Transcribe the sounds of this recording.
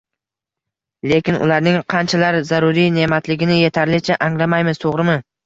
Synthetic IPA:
le̞kʲɪnʊ̰laɾnɪŋqʰɑnt͡ʃʰalaɾzaɾʊɾijne̞mat̪lɪɡʲɪnɪje̞t̪ʰaɾlɪt͡ʃʰaʔaŋlamajmɪzt̪ʰoʁɾɪmɪ

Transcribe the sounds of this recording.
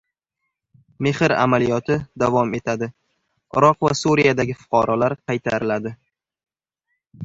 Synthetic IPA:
me̞hɪɾa̰malijɒt̪ʰɪd̪avɒme̞t̪ʰad̪ɪ | ɪɾɒqva̰suɾijad̪aɡʲɪfʊ̥qʰɑɾɒlaɾqʰɑjt̪ʰaɾɪlad̪ɪ

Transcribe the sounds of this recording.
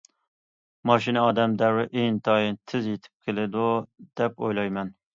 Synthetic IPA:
mɑʃinɛɒd̪ɛmd̪æwɛʔeŋt̪ʰɑjint̪ʰɪzjet̪ʰɪ̥p̚kʲʰelɪd̪ud̪̥ɛpo̰jlˠɑjmɛn

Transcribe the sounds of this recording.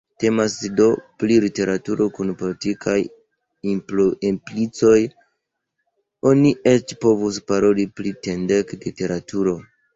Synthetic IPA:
te̞masdo̞plilite̞ɾatuɾo̞kunpolitikʰaj | imploimplit͡so̞j | o̞nie̞t͡ʃpo̞vuspaɾo̞liplite̞ndeklite̞ɾatʰuɾo̞

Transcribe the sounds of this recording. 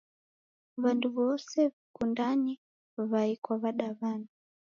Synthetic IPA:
βanduβɔsɛβikundani | βaikwaβaɗaβana

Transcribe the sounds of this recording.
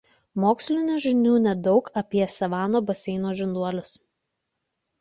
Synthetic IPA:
moːksʲlʲɪnʲuːʒʲɪnʲuːnʲɛd̪ɒʊkɐpʲiɛsʲɛʋɑːnoːbɐsʲɛɪnoːʒʲɪnd̪uɔlʲʊs

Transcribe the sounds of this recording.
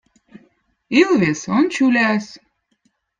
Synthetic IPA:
ilˠβesont͡ɕylʲæs

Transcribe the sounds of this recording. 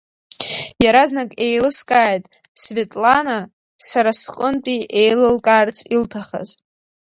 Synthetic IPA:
jaɾaznakʼejlɨskʼaːjtʼ | sve̞tʼlana | saɾasqʼəntʼiʔejlɨlkʼaːrt͡sʼʰiltʰaχa̰z̥

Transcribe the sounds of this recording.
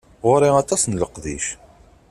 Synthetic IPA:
ʁʊɾiɑt̪ˤɑsnləqðḭʃ

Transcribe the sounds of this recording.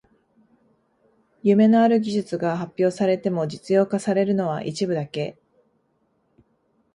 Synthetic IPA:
jɯme̞no̞aɾɯ̟ɡʲiʑɨt͡sɨɡahapʲjo̞ːsaɾe̞t̪e̞mo̞d͡ʑit͡sɨjo̞ːkasaɾe̞ɾɯ̟no̞β̞a̰ʔit͡ɕibɯ̟d̪ake̞

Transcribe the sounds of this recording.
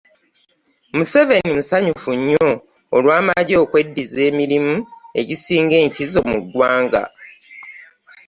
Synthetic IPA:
muse̞ve̞nimusaɲufuɲːo̞ː | lwaːmaɟo̞ːkwe̞dːize̞ːmiɾimue̞ɟisiːŋɡe̞ːɲcizo̞mṵɡːwaːŋɡa̰

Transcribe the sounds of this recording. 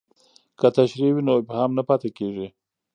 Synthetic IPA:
kat̪aʃɾiwinoɪphɑmnapɑt̪ekeʐi

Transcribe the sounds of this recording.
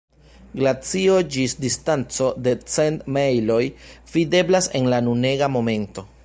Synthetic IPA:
ɡlat͡sio̞d͡ʒisdistant͡so̞de̞t͡se̞ntmejlo̞jvide̞blase̞nlanune̞ɡamo̞me̞nto̞

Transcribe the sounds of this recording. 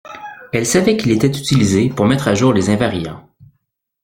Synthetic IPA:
ɛlsavɛkʲilet̪ɛt̪yt̪ilizepuʁmɛt̪χaʒuːʁlezɛ̃vaʁjɑ̰̃

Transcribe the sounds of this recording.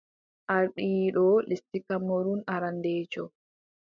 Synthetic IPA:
ʔaɾɗiːɗɔlʔist̪ikɐmɔɾunaɾand̪eːt͡ʃɔ

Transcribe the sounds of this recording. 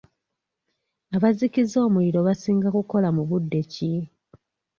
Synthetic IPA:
aβazikizo̞ːmuliɾo̞βasiːŋɡakuko̞lamuβudːe̞ci

